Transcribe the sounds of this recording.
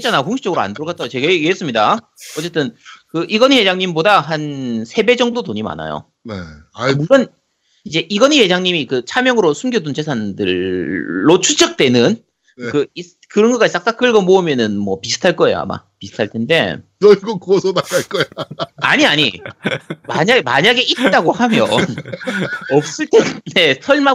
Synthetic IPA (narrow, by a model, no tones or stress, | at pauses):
it͡ɕanajkoŋɕʰi̥t͡ɕʌɡɯɾoa̰ndoɾokʰat͈at͡ɕeɡeɡeɦes͈ɯmɲida | ʌt͡ɕ͈e̞t͈ɯnkɯʔiɡʌnihe̞d͡ʑaŋɲimbodaɦansʰe̞be̞d͡ʑʌŋbudotoɲima̰na̰jo̰ | neiɡʌn | id͡ʑe̞ʔiɡʌnihe̞d͡ʑaŋɲimikɯt͡ɕʰamjʌŋɯɾosʰumɡjʌdunt͡ɕesʰandɯɭː | ot͡ɕʰut͡ɕʰʌk̚t͈we̞nɯn | kɯi | kɯɾʌnɡʌɡais͈ak̚s͈ak͈ɯɭɡʌmoɯmjʌnɯnmwʌpisʰɯ̥tʰaɭk͈ʌe̞jo̰a̰ma̰pisʰɯ̥tʰaɭtʰe̞nde̞̰nʌɡʌkuʌsʰʌnaɡaɭk͈ʌea̰ɲiaɲi | maɲaɡmaɲaɡe̞ʔitt̚t͈aɡohamjʌ | ʌp̚s͈ɯɭtʰene̞sʰʌɭma